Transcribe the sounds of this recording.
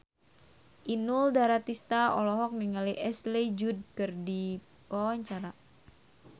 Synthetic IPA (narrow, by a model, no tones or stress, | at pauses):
ʔinuldaɾat̪ist̪aɔlɔɦɔk̚niŋaliʔɛsled͡ʒud̚kɨrdi | pɔaɲt͡ʃaɾa